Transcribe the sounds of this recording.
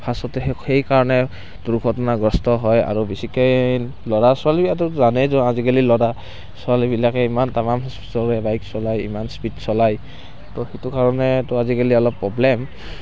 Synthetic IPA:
pʰasɔtɛhejkaɹɔnɛ | duɾukʰɔtɔnaɡɹɔstɔɦɔja̰ɹubisikɔ | lɔɹasɔalibiatuzanɛzɔazikalilɔɹa | sɔalibilakɛimantamamɦɔspi̥tɔɹɛbajksɔlajḭmanspitsɔlaj | tɔxitukaɹɔnɛtʊazikaliɔlɔpːɹɔblɛm

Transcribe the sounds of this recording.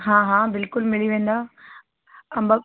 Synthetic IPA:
ɦãːɦãːbɪlkʊlmɪliʋẽːn̆d̪aː | ɐmba

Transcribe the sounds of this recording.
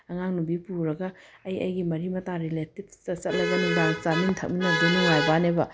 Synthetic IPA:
ɐŋaŋnubipuɾɐɡɐːjɐ̰jɡimɐɾimɐtaɾiletit̚sɐsɐt̚lɐɡɐnuŋdaŋt͡ʃamintʰɐk̚minɐdɐnuŋajbanebɐ

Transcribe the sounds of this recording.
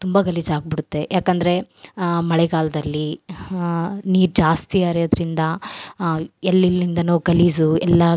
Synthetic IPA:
t̪umbɐɡɐlizaːɡ̚biɽut̪ːe̞jʔaːkɐnd̪ɐɾe̞mɐɭɛɡaːlɐd̪ɐlːi | niːɾd͡ʒaːst̪iaːɾjod̪ɐɾind̪ɐ | ɛlːilːind̪ɐnoːɡɐliːzuɛlːɐ

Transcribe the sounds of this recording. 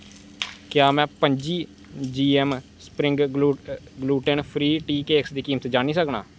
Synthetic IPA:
kɪjaːmɛ̃ːpəɲd͡ʒiː | d͡ʒiːɛːmspɾɪ̃ŋɡ | ɡluːʈənpʰɾiːʈiːkeːksd̪iːkiːmət̪d͡ʒaːniːsəkna̰ː

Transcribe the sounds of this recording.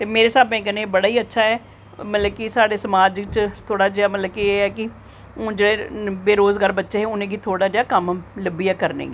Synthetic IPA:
t̪eːmeːɾeːsaːbẽːkənẽːbəɽaːiːətːʃʰaːɛː | mət̪ləb̚kisaːɽeːsəmaːd͡ʒt͡ʃt̪ʰoːɽaːd͡ʒeaːmət̪ləbkieːɛːkɪ | õːd͡ʒeːɽeːbeːɾoːzɡaːɾbətːʃeːɦɛːʊnẽːɡiːt̪ʰoːɽaːd͡ʒaːkəmləbijaːkəɾnḛːɡiː

